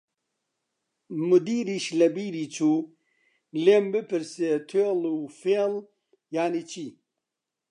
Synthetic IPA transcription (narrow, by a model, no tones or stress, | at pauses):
mud̪iːɾiɕlɐbiːɾit͡sʰu | lembepʰiɾset̪ʰelufel | jaːnit͡ɕʰi